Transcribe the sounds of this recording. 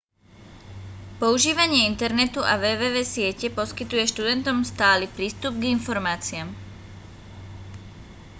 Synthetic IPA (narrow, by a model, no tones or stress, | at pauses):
pɔuʒiːʋaɲɪɛint̪ɛɾnɛt̪uʔaʋɛːʋɛːʋɛːsɪɛcɛpɔskit̪ujɛʃt̪ud̪ɛnt̪ɔmst̪aːlipɾiːst̪ub̚ɡinfɔɾmaːt͡siam